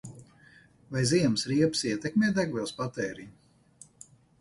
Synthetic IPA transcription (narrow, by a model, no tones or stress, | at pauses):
vajziɛmsɾiɛpsiɛt̪ɛkmʲɛːd̪æɡvɛlˠspat̪ɛːɾiɲ